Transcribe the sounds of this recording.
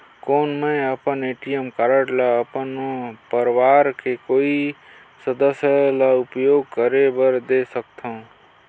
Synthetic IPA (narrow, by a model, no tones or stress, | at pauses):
koːnmẽəpəneːʈijəmkaɾəʈlaəpənpəɾʋaːɾkekoːi | səd̪əsjəlaʊpjoːɡ̚kəɾebəɾd̪eːsək̚t̪ʰaũ